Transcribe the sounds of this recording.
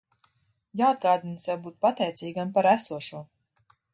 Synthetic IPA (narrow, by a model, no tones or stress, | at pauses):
jaːad̪̚ɡaːd̪insɛwbuːt̪̚pat̪ɛjt̪sʲiːɡampaɾæsuɔʃuɔ